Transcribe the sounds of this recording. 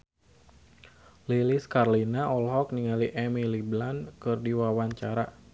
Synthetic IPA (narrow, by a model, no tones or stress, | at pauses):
liliskarlinaɔlɦɔk̚niŋaliʔɛmiliblankɨrdiwawaɲt͡ʃaɾa